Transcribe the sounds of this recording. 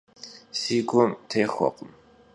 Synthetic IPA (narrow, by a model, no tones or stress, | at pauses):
siːɡʷɔmtʰejxʷɔ̰qʷʼʊm